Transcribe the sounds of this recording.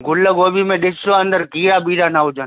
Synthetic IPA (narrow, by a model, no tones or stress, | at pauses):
ɡʱʊlːəɡoːbimẽɗɪsoənd̪əɾkiːɾabiːɾanaɦʊd͡ʒən